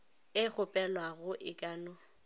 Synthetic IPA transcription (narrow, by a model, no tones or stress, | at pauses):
ɪk͡xʊpʼɛlwaɣʊʔɪkʼaːnɔ